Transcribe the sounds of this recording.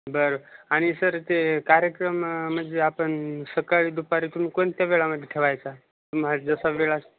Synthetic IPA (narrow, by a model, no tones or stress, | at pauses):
bəɾoaɽ̃isəɾt̪ekaɾjəkɾəmːəd̪ʱzeapəɳsəkaɭid̪upaɾit̪um̤ikont̪jaʋeɭaməd̪ʱːeʈʰeʋajt͡sa | t̪umaɾd͡zəsaʋeɭas